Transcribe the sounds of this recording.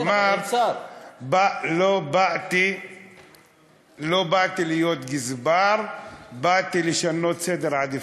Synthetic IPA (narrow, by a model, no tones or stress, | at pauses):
mma | balobaʔt̪i | lo̞bat̪ilijot̪ɡizbaɾbaʔt̪iliʃano̞t̪sed̪eɾʕad̪i